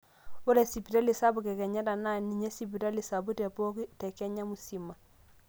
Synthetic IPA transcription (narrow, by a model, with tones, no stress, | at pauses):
wɔ˦ɾe˨si˨pi˨ta˦li˨sa˦bu˨kɛ˨kɛ˨ɲa˦ta˨na˦˨ni˨ɲe˦si˨pi˨ta˦li˨sa˨bu˦tɛ˨po˦ki˦tɛ˨kɛ˦ɲa˦mu˨si˨ma˨